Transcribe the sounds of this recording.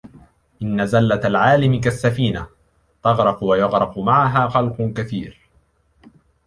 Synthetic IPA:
ʔɪnːazalːat̪alʕaːlɪmɪkasːafiːna | t̪ɑɣɾˤɑfwajɑɣɾˤɑfʊmaʕaɦaːxɑlqʊkaθiːɾ

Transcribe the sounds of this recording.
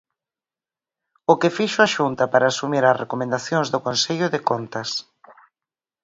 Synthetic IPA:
ʊkɪfiʃʊaʃunt̪ɐpaɾaːsumiɾɐsrekomẽnd̪aθjoŋzðʊkonseʎʊðɪkont̪ɐs

